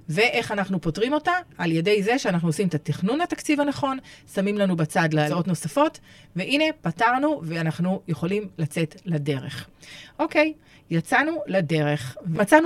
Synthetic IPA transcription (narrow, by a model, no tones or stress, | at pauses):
ve̞ʔe̞χanaχnupo̞tʁimo̞taʔaljede̞jze̞ʃeanaχnuosimet̪atiχnunatakt͡sivhanaχo̞nsamimlanubat͡sadleo̞tno̞safo̞t | ve̞ʔine̞pataʁnuveanaχnujeχo̞limlat͡se̞tlade̞ʁe̞χʔo̞ke̞j | jat͡sanulade̞ʁe̞χvat͡san